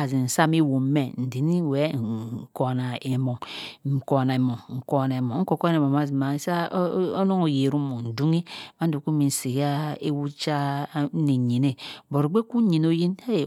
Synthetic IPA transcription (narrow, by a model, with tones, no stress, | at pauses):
a˨zi˨n̩˨sa˦mi˦wo˨˦me˨n̩˨di˨ni˦˨we˨˦˨ko˨na˨e˨mo˨ŋ̩˨ko˨na˨e˨mo˨ŋŋ̩˨ko˨ne˨mo˨˦ŋ̩˦ko˨ko˦e˨mo˨ma˦zi˨ma˨˦sa˦o˦no˦ŋo˨je˨ɾu˦mo˨n̩˨du˦ŋi˦ma˦du˨ku˦mi˨n̩˨si˨ɣa˦e˦wu˦t͡ʃa˦ni˨ɲi˨ne˦˨bo˨ɾo˨ɡ͡be˦ku˦ɲi˨no˦ji˦ne˦˨